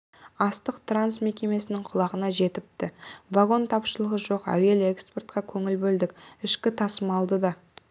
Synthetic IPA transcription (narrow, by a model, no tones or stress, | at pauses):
ɑst̪əqt̪ransme̞kʲe̞me̞sɪnɪŋqʰʊlˠɑʁənɑʒe̞t̪ɪp̚t̪ɪvaɡo̞nt̪ʰɑpʃəlˠəʁəʒo̞qæ̰we̞le̞kspert̪̚qɑkʲʰɵŋɪlbɵld̪ɪkʲɪʃkʲɪt̪ʰɑsəmɑlˠd̪əd̪ɑ